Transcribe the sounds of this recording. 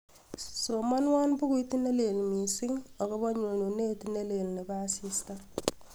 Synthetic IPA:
so˨ma˦nwa˦nbʊ˦ku˦i˦ti˦ne˦le˨lmi˨sɪ˦ŋɔ˨kɔ˦ba˦ɲo˨no˨ne˦tne˦le˨lne˨ba˦si˦sta˦

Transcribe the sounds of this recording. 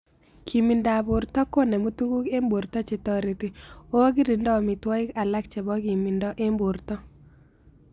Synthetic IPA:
kʰi˨mi˨nda˨bʊ˨ɾtɔ˦ko˦ne˨mo˦tu˦ku˦ke˦mbo˨ɾtɔ˦t͡ʃɪ˨tɔ˦ɾe˨ti˨o˦ɡi˦ɾi˨ndɔ˦˨mɪ˨twɔ˦ɪ˦ka˨la˦k̚t͡ʃɛ˨bɔ˦ki˨mi˨ndɔ˦ʔe˦mbu˨ɾtɔ˦

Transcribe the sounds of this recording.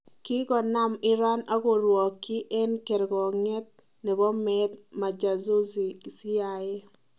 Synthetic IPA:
ki˦ɡɔ˨na˦mɪ˦ɾa˦na˦ɣo˨ɾwɔ˨kːi˦ʔe˦nke˨ɾɡɔ˨ŋɛ˦t̚ | ne˨bɔ˦mɛ˦t̚ma˨d͡ʒa˨zo˦zi˨i˨si˦a˨e˦

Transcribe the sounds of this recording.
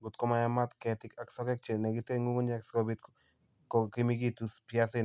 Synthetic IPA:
ɡu˨t̪kɔ˦ma˨ja˦ma˦t̪kɛ˨t̪ɪka˨ksɔ˦kɛ˦k̚t͡ʃe˨nɛ˨ɡi˦te˦ŋu˦ŋo˦ɲa˦kskɔ˦bi˦t̪ | koki˦mi˦ɡi˦t̪u˦spja˦sɪ˦

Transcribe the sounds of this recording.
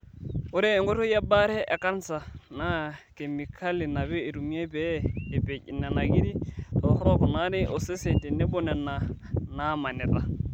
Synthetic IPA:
ʊ˦ɾɪ˦ɛ˦ŋɡɔ˦tʰɔ˦ja˦ba˦ɾɛ˦ɛ˨kʼa˦n̩˦sa˨na˨ke˨mi˨kʰa˦lɪ˨na˨bɛ˦ɪ˨ɾu˨mi˦a˦bɛː˦˨pɛ˨cʼɪ̰˨nɛ˨na˨ki˦di˦tʰɔ˨hɔ˦ɾɔ˨kɔ˨na˦ɾɪ˦ʔɔ˨sɛ˦se˨tɪ˨nɪ˦bɔ˦nɛ˨na˨na˦ma˨nɛ˨ta˨

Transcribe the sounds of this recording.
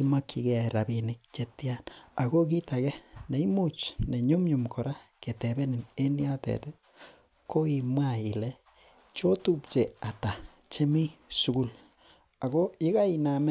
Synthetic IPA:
i˦ma˦kːi˨kɛ˨ɾa˨bi˨nɪ˦k̚t͡ʃe˦tja˦na˨ɡo˦k̬i˦ta˨kɛ˦ne˨i˦mu˦˨t͡ʃne˨ɲu˦mɲu˨mkʰɔ˨ɾa˦ke˨tɛ˨bɛ˦ni˨ne˦ni˦a˦tɛ̰˨te˦ | ko˦i˨mwa˦˨i˨lɛ˦ | t͡ʃo˦tu˦pt͡ʃe˨a˨ta˨ | t͡ʃe˦mi˦su˨ɡu˦l | a˨ɡo˦i˦ka˦i˨na˨m˦

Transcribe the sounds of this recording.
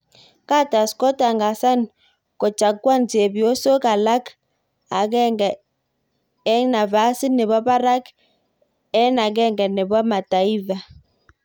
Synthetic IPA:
ka˦ta˨skɔ˦ta˨ŋɡa˨sa˦n | kɔ˨t͡ʃa˨kwa˦nt͡se˨bjo˦so˦ka˨la˦k | a˨ɡɛ˦ŋɡɛ˨ | ɛ˦na˨va˨˦si˦nɛ˨βa˦ba˦ɾa˦k | ɛ˦na˨ɡɛ˦ŋɡɛ˨nɛ˨bwa˦ma˨ta˨i˦va˨

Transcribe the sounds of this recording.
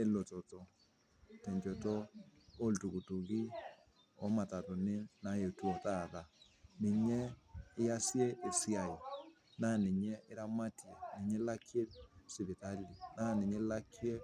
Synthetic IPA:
e˦lo˨tɔ˨tɔ˨ | tɛ˨ɲd͡ʒɔ˨tɔ˦o˦ltu˨ku˨tu˨ki˦ | ɔ̰˦ma˨ta˨to˨ne˦na˨˦je˨tu˦ɔ˨ta˦˨ða˨ | ne˨ɲɛ˦ɪ˦ja˦sje˦ʔe˨si˦a˨ji˨ | na˦˨ne˨ɲɛ˦ʔe˦ɾa˦ma˦ti˨e˨ne˨ɲɛ˦la˦kʰje˦si˨βi˨ta˦li˨na˦˨ne˨ɲe˦la˦kʰje˦

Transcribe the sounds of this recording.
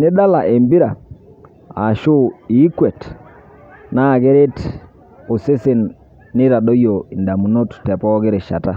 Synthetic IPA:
nɪ˦da˦la˨ʔe˨mbi˦ɾa˨ | a̰˨ʃʊ˦i˨˦kwe˨t | na˦˨ɡɪ˦ɾɪ˦t | o˨sɪ˦sɪ˨nː | ɪ˦ɾa˨do˦jo˨i˨nda˨mu˨no˦ttɛ˨pɔ˦ɡɪ˦ɾɪ˨ʃa̰˨ta˦

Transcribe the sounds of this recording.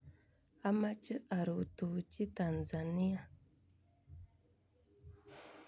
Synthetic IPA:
a˦ma˦t͡ʃə˦ʔa˨ɾu˨tu˨t͡ʃi˦ta˨n˨za˨ni˦ja˨

